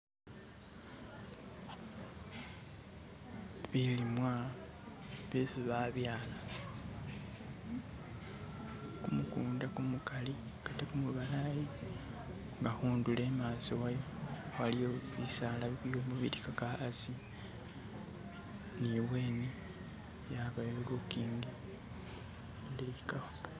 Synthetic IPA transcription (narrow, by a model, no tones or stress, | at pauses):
βilimwa | βesiβaβjaːla | kumukuːndakumukali | katekumuβalaji | ŋɡahuːndule̞maːsowajowalijoβisaːlaβiβijo̞ːmuβḭɾikakaazi | niweːni | jaβajolokiːŋɡi | leka